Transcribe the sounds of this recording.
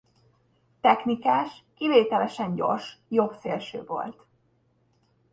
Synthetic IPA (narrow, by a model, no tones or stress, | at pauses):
t̪ɛxknikaːʃkiveːt̪ɛlɛʃɛɲɟo̞̰rʃjo̞bseːlʃø̰ːvo̞̰lt̪